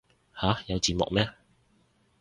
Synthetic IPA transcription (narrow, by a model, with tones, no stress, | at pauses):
haː˨˥jɐ˨˧wt͡siː˨˧mʊ̰˨k̚mɛː˥